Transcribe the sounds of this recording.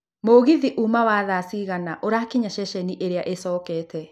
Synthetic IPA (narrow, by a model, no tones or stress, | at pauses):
moɣiðiʔuːmawaðaːsiɣanaʔoɾaːkiɲaʃɛʃɛniʔeɾeaʔesɔːkɛːtʰɛ